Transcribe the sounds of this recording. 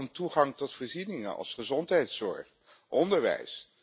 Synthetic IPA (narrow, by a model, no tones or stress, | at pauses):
ntuχɑŋtɔtfɔːɹzinɪŋə̰ʔɑ̰lˠsχəzɔntɦɛjtsɔ̰ɹχ | ʔɔndəɹʋɛ̰js